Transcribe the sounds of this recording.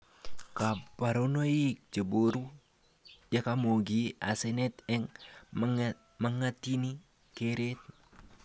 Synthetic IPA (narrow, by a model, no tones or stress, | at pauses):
kapaɾonoik̚t͡ʃəboɾu | jakamoɡiasɛnɛt̪ɛŋ | maŋat̪ini | keɾet̪̚